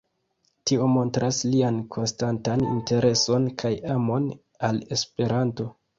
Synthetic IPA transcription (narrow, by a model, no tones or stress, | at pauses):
tio̞mo̞ntɾasliankʰo̞nstantanḭnte̞ɾe̞so̞nkʰajamo̞n | ale̞spe̞ɾanto̞